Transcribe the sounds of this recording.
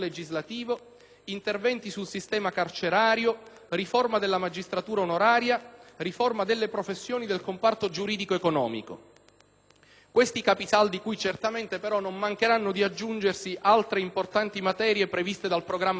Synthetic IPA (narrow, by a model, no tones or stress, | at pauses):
led͡ʒizlat̪iːvo | int̪ervɛnt̪isulsist̪ɛːmakart͡ʃeɾaːɾjo | riformad̪elːamad͡ʒist̪ɾat̪uːɾaonoɾaːɾjariformad̪elːepɾofesːjoːnid̪elkompart̪od͡ʒuɾiːd̪ikoekonɔ̰ːmḭko̰ | kwest̪ikapisald̪ikujt͡ʃert̪ament̪epeɾɔnːomːaŋkeɾanːod̪iad͡ʒːund͡ʒersiʔalt̪ɾeimport̪ant̪imat̪ɛːɾjepɾevist̪ed̪alpɾoɡɾamː